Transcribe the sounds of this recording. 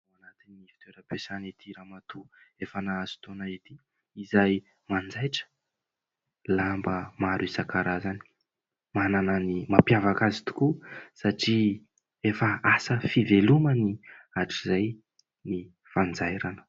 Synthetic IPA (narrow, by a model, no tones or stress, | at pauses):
uanat̪inːifi̥t̪eɾəpesanit̪ʰiɾamat̪uefanaaz̥i̥t̪onait̪i | izaj | mand͡zajʈ͡ʂə̥ | lambəmaɾisakaɾazani̥ | mananənimapjavakazi̥t̪u̥kusaʈ͡ʂi | efəasəfiveluməniaʈ͡ʂizaj | ni | fand͡zajɾanə̥